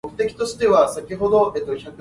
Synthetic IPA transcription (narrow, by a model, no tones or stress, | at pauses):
okɯ̟t̪e̞kʲi̥t̪o̞ɕi̥t̪e̞βasakʲiɦo̞d̪oeːt̪oçʲakɯ